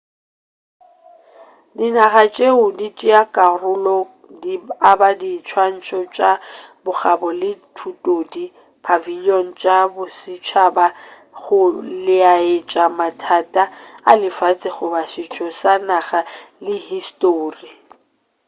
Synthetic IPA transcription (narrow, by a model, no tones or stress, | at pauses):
dɪnaχat͡ʃʼeʊdit͡ʃʼɪakʼarʊlɔ | diabadiːt͡ʃʰwan̩t͡ʃʰʼɔt͡ʃʼabʊχabɔlɪtʰutʼodi | pʰaviliɔn̩t͡ʃʼabʊsɪt͡ʃʰaba | χʊlɪaɪt͡ʃʼamatʰatʼaa̰lɪfat͡sʼɪχʊbaʃɪt͡ʃʰʼɔsanaχalɪhistʼoːri